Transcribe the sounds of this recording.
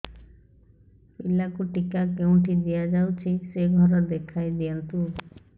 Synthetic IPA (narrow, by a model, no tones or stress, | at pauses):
pilakuʈikakeũʈid̪ijad͡ʒawt͡ʃʰiseɡʱɔɾɔd̪ekʰajd̪iɔnt̪u